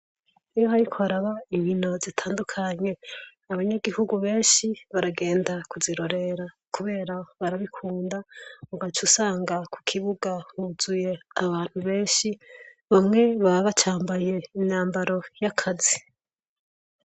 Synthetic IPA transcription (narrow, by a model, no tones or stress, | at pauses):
ijo̞ɦaɾikʰoaɾaβaiβino̞zitʰaːndukʰaɲe̞ | aβaɲaɡihuɡuβe̞ːnʃiβaɾaɡe̞ːndakuziɾo̞ɾe̞ɾa | kuβe̞ːɾaβaɾaβikʰuːndauɡat͡ʃusaːŋɡakʰu̥kʰiβuɡahuzuje̞aβaːn̥huβe̞ːʃi | βamŋe̞βaβaβat͡ʃaːmbaje̞iɲaːmbaɾo̞jakʰazi